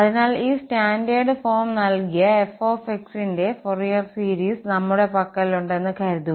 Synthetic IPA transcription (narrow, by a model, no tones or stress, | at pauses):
ɐðinaːliːsʈaːndeːɖɨfo̞ːrmnɐlkijɐe̞foːfeksinde̞forijɐrsiːɾiːsnɐmːuɽe̞pɐkːɐliluɳɖe̞nːɨkɐjɾɐt̪ːu